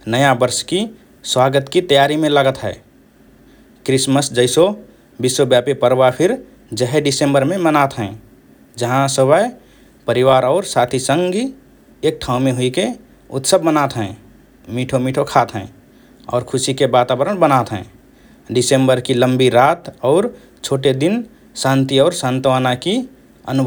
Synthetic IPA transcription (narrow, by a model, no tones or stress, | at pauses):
nəjabəɾski | swaɡət̪kit̪əjaɾimẽləɡət̪ɦɛː | kɾɪsməsd͡ʒəɪso | bɪswobjapipəɾbapʰɪɾ | d͡ʒəɦɛɖɪsẽmbəɾmẽmənat̪ɦɛ̃ | d͡ʒəɦãsəbəj | pəɾiʋaːɾɔːɾsat̪ʰisə̃ŋɡi | ek̚ʈʰaʊ̃mẽɦuike | ṵt̪səbːənat̪ɦɛ̃ | miʈʰomiʈʰokʰat̪ɦɛ̰̃ː | ɔ̰ːɾkʰʊsikebat̪abəɾənbənat̪ɦɛ̰̃ː | ɖisembəɾkiləmbiɾaːt̪ɔːɾ | t͡ʃʰoːʈ̬ed̪in | sãnt̪iɔʊɾsãnt̪anaki | ə̰nʊ